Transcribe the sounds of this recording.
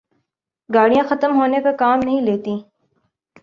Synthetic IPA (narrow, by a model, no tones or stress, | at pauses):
ɡaːɽijãxɐt̪əmɦoːnepɐkaːmnɐɦĩleːt̪ĩː